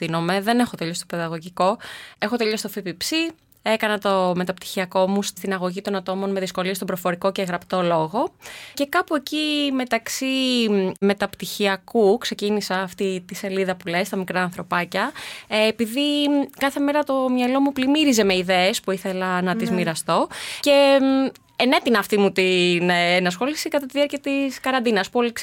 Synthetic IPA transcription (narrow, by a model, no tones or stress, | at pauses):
ino̞me̞ðe̞ne̞xot̪eʎo̞st̪o̞peðɐɣo̞ʝiko̞exo̞t̪eʎo̞st̪ofipipsi | e̞kɐnɐt̪o̞me̞t̪ɐp̚t̪i̥çiɐko̞must̪inɐɣo̞ʝit̪o̞nɐt̪o̞mo̞nme̞ðisko̞list̪obɾofo̞ɾiko̞ceɣɾɐpt̪o̞lo̞ɣo̞ce̞kɐpue̞cime̞t̪ɐksime̞t̪ɐpt̪içiɐkukse̞cinisɐːft̪it̪ise̞liðɐpule̞st̪ɐmikɾɐːnθɾo̞pɐcɐ | piðikɐθe̞me̞ɾɐt̪o̞mɲɐlo̞muplimiɾize̞me̞iðeespuiθe̞lɐnɐt̪izmiɾɐst̪o̞ce̞ | ene̞t̪inɐːft̪imut̪inːnɐsxo̞lisikɐt̪ɐt̪iðiɐɾciɐt̪iskɐɾɐnd̪inɐspoliks